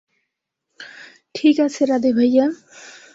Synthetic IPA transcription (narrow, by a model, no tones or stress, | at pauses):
ʈʰikasʰeɾad̪ibʱʌjːa